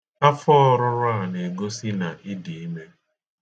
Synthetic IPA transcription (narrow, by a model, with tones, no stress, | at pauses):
a˦fɔ˦ɾʊ˦ɾʊ˦a˨ne˨ɡo˦si˦na˨ʔɪ˦di˨i˦me˦